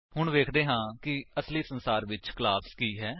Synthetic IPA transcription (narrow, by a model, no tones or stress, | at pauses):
hʊɳ̃ʋeːkʰd̪eːɦãːkɪəsliːsənsaːɾʋɪt͡ʃklaːskiːɦɛː